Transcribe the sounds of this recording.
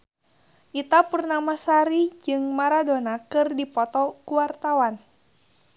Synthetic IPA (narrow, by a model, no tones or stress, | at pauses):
ʔit̪apurnamasaɾid͡ʒɨŋmaɾadonakɨrdipɔt̪ɔkuwart̪awan